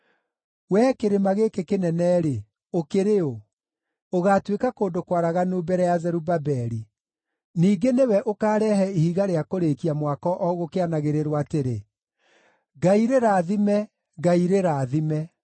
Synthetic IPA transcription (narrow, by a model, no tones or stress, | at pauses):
wɛːkeɾemaɣekekenɛnɛːɾe | okeɾeo | oɣaːtwekakoːndokwaɾaɣanoːbɛɾɛjazɛɾubabɛɾi | niːɡenewɛʔokaːɾɛɦɛihiɣaɾeakoɾekiamwakɔʔɔɣokeanaɣeɾeɾwateɾe | ɡaiɾeɾaːðimɛ | ɡaiɾeɾaːðimɛ